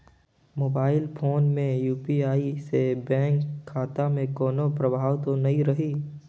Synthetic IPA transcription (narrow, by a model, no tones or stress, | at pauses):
moːbaːɪlpʰoːnmẽjuːpiaːisebɛ̃ːŋkʰːaːt̪amẽkɔːnopɾɐbʱaːʋt̪onɐɦĩɾɐɦiː